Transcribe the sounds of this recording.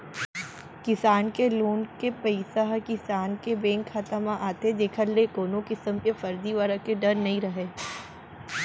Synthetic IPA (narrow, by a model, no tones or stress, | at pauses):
kɪsaːnkeloːnkepɐɪsaɦkɪsaːnkebẽːŋkʰxat̪əmãʔaːt̪ed͡ʒ̪eːkʰəɾlekoːnõkɪsəmkefɐɾd̪iʋaːɾãkeɖɐɾnɐɦĩɾɐɦeː